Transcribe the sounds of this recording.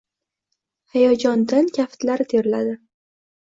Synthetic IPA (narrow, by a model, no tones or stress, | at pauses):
hajɒd͡ʒɒnd̪ankʲʰaft̪laɾɪt̪ʰeɾɪla̰d̪ɪ